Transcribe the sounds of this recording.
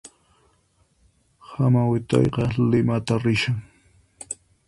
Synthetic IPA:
hamawɪt̪ɑ̰jqɑlɪmat̪aɾɪʃaŋ

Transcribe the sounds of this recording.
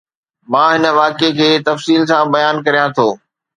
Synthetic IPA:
mãːɦɪnəʋaːkekʰeːt̪ɐfsiːlsãːbɐjaːnkɐɾijãt̪ʰoː

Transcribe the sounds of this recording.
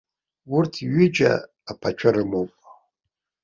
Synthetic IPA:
wʊrtʰiɥʏd͡ʒa̰ː | pʰat͡ʃʷʰaɾɨmowpʼ

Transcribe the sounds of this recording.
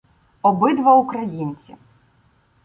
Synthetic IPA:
ɔbɪd̪ʋɐʊkɾɐjinʲt͡sʲḭ

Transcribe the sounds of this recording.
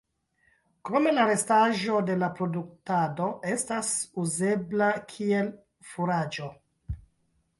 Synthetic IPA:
kome̞laɾestaʒo̞de̞lapɾo̞duk̚tado̞ʔestasuzeblakʰiel | fuɾad͡ʒo̞

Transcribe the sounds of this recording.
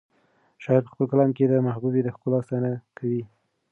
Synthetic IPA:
ʃɑɪɾpə̥xpəlkalɑmked̪əmahbubed̪əxkolɑst̪ɑnakʰawi

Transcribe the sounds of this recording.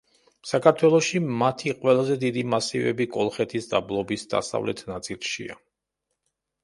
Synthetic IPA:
sakʰaɾt̪ʰwɛlˠɔʃimat̪ʰiqʼwɛlˠazɛd̪id̪imasivɛ̰bikʼɔlˠχɛt̪ʰisd̪a̰blˠɔbisd̪a̰sa̰vlʔɛ̰t̪ʰnat̪sʼilˠʃḭa̰

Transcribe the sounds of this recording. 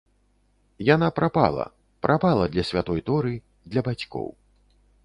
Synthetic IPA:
janapɾapa̰lˠɐ̰ | pɾʔapalˠɐd̪lʲɐsʲvʲat̪ɔjt̪ɔɾɨ | d̪lʲɐbat͡sʲkɔ̰w

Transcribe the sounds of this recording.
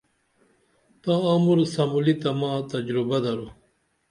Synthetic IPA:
t̪ãamuɾsɐmulit̪ɐmãːt̪ɐd͡ʑɾubɐd̪ɐɾu

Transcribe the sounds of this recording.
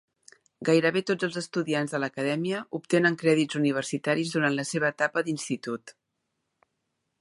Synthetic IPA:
ɡajɾəβet̪od͡zəlˠd͡zzəst̪uðianzðələkəðɛmiəʔup̚t̪enəŋkɾɛðizuniβ̞ərsit̪aɾizðuɾanləseβ̞əːt̪apəd̪inst̪it̪ut̪

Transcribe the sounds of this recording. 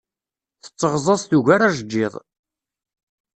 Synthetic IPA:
θə̥t͡sːəʁzˤɑsˤθuʝaɾaʒəd͡ʒːɪðˤ

